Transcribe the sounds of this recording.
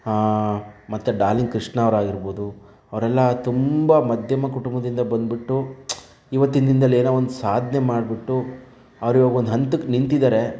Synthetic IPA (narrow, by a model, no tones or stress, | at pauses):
mɐt̪ːuɖaːliŋkɾiʂʈɳaːɐʋɐɾaːɡiɾboːd̪u | ɐʋɐɾɛlːɐt̪umbɐmɐd̪ʱjɐmɐkuʈumbɐd̪ind̪ɐbɐnd̪̚biʈːu | iʋɐt̪ːind̪ɾind̪ɐlːeːnoond̪usaːd̪ʱnemaːɖbiʈːu | ɐʋɐɾiʋaɡɐo̞nd̪uɦɐnt̪ukːnint̪id̪aːɾe̞